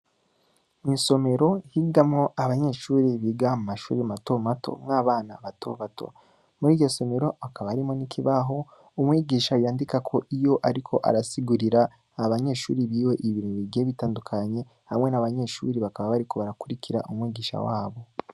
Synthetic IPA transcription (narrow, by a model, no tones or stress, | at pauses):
inso̞me̞ɾo̞hiɡamŋo̞ʔaβaɲe̞ʃuːɾiβiɡamumaʃṵːɾimato̞matʰo̞̰maːβaːnaβato̰βatʰo̞̰ | muɾiːɟo̞so̞me̞ɾo̞akaβaɾimonikʰiβaɦo̞ | umŋwiːɡiːʃajaːndikakʰo̞ʔijo̞ʔaɾikʰo̞ʔa̰ɾasiɡuɾiɾaː | βaɲe̞ːʃuːɾiβiːwe̞ʔiβiɾiβiɡeβitaːndukʰaɲe̞ | hamŋe̞naβaɲe̞ːʃṵːɾiβakaβaβaɾiko̞βaɾakuɾicʰiɾa̰ʔumŋwiːɡiːʃa̰waːβo̞